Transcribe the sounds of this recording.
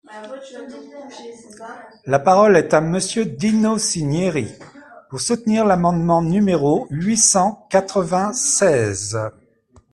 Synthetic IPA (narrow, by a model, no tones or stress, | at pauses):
lapaʁɔlɛt̪aməsjød̪inosinjeʁipuʁsut̪niʁlamɑ̃d̪mɑ̃nymeʁoɥisɑ̃kat̪χəvɛ̃sɛːz